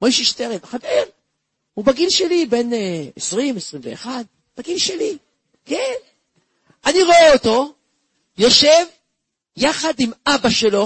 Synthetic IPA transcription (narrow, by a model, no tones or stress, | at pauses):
mojʃiʃteʁemχadel | ubaɡilʃelibe̞nesʁimesʁimveːχad̪̚ | b̥aɡilʃeli | ken | aniʁoeoto̞ | joʃe̞v | jaχadimabaʃelo̞